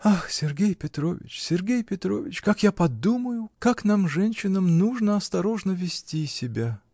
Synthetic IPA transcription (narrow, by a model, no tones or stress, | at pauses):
axsʲɪrɡʲejpʲɪt̪ɾo̞̰vʲɪ̰t͡ɕsʲɪrɡʲejpʲɪt̪ɾo̞̰vʲɪt͡ɕkakjapɐd̪uməjʊkakn̪amʐɛnʲɕɪnəmnuʐnəɐst̪ɐɾo̞ʐnəvʲɪsʲtʲisʲɪbʲa